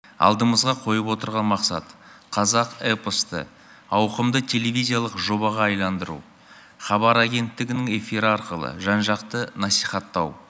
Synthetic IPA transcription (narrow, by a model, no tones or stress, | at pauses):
ɑ̰lˠd̪əməzʁɑqʰo̞jəpwo̞t̪əɾʁɑnmɑqsɑ̰t̪qʰɑzɑqepəst̪ə̰ | ɑwqəmd̪ət̪ʲʰe̞le̞vʲizʲijalˠəqʒo̞bɑʁɑɑjlˠɑnd̪əɾṵ | χɑbɑɾaɡʲe̞nt̪ːɪɡʲɪnɪŋe̞fiɾəɑɾqəlˠə̰ʒɑnʒɑqt̪ənɑsijχɑt̪ːɑw